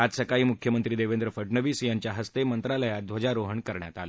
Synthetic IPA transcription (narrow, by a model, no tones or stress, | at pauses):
at̪səkaiːmukʰjəmənt̪ɾiːd̪eʋẽnd̪ɾəfəʈɳəʋiːsjaɲt͡ɕjaɦəst̪emənt̪ɾaləjad̪ʱʋəd͡ʑaɾoɦəɳkəɾɳja̰t̪ale